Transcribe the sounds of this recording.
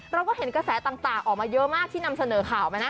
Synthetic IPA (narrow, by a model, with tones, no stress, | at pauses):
ɾa˧wkɔː˥˩ɦe˩˦nkɾa˧sɛː˩˦t̪aː˨˩ŋt̪aː˨˩ŋʔɔː˨˩k̚maː˧jɤ˦˥ʔmaː˥˩k̚t̪ʰiː˥˩na˧msa˧nɤː˩˦kʰaː˨˩wpa˧jna˦˥